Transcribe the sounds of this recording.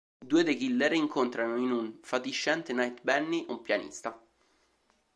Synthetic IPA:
d̪uːed̪eɡilːɛɾeiŋkʰont̪ɾanoinunfat̪iʃːɛnt̪enajt̪bɛnːiʔumpjanḭst̪a

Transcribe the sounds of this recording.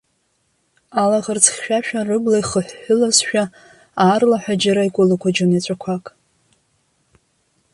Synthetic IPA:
alaʁərt͡sʰʼχʲʃᶣaʃᶣarɨɡlajχəħʷːʊlazʃᶣa | aːrlaħʷᶣad͡ʒaɾaikʷʼʊlakʷʰad͡ʒonat͡ɕʷʼakʷʰakʼ

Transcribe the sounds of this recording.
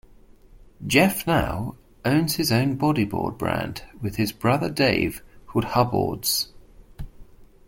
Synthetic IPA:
d̥d͡ʒ̥ɛfna̰ʊ | ə̃ʊ̃nz̥ɪzə̃ʊ̃nbɒɾibɔ̰ːd̚bɹæ̰ã̰nd̥wɪð̥ɪzbɹʌðədeɪv̥hʊd̥̚hʌbɔ̰ːdz̥

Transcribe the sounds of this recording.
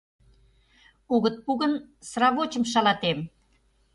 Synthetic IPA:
uɣə̆t̪̚puɣə̆n | srɑβot͡ɕə̆mʃɑlɑt̪em

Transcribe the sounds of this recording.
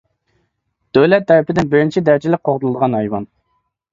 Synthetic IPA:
d̪̥øwlɛt̪ʰːɛɾɪpɪd̪ɪnbɪɾɪnt͡ʃʰid̪æɾd͡ʒɪlɪk̚qʰoʁd̪ulˠɨd̪əʁɑnɑjwɑn

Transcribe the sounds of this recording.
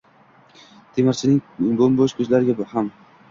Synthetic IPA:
t̪ʰemɪɾt͡ʃʰɪnɪŋbomboʃkʰɵzlaɾɪɡʲabʊham

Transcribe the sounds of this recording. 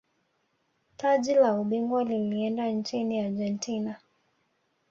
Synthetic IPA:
taʄilauɓiŋɡwaliliɛndant͡ʃiniaɾʄɛntʰina

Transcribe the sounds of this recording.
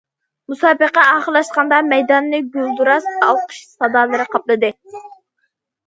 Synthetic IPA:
musɑːbəqɛɑːχəlˠɑʃqɑnd̪ɑmɛjd̪ɑnːɨɡʲylˠd̪uɾɑsɑlˠqʰə̥ʃsɑd̪ɑːlˠɨɾɨqʰɑplˠɨd̪ɨ

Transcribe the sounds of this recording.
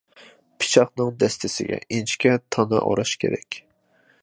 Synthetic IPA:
pʰi̥t͡ʃʰɑχnɨŋd̪ɛst̪ʰɪsɪɡʲɛ̰ʔint͡ʃkʲɛt̪ʰɑnɑ̰ʔo̰ɾɑʃkʲʰḛɾɛkʲ

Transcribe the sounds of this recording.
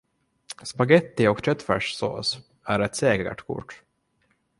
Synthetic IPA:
spaɡɛt̪ːɪɔkt̪ʰœt̪fæ̰ʂso̰ːs | æɾɛt̪seːɡəɡə̰ʈkʰʊ̰ʈ

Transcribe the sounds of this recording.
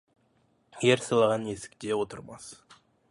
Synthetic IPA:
je̞ɾsɑlˠɑʁɑne̞sɪ̥k̚t̪e̞wot̪əɾmɑs

